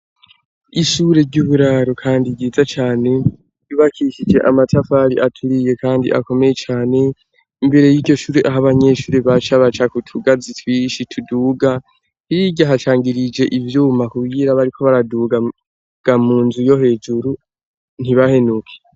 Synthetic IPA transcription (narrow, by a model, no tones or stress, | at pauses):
iʃuɾe̞ɾɟuːβuɾaɾokʰaːndiɡɟiːzat͡ʃaːne̞ | uβakʰiʃid͡ʒe̞ʔamatʰafaɾiʔatʰuɾije̞kʰaːndḭʔa̰ko̞me̞jet͡ʃaːne̞ | imbe̞ɾe̞jiːɟo̞ʃuːɾeʔaɦaβaɲe̞ʃuːɾeβat͡ʃaβat͡ʃakutʰuɡazitwiːʃitʰuduːɡa | hiɟaɦat͡ʃaːŋɡiɾid͡ʒe̞ʔivjuːmakuɡɡiːɾaβaɾikʰo̞βaɾaduːɡa | ɡ̥amuːnzujo̞ɦe̞ːd͡ʒuɾu | n̥hiβahe̞nukʰe̥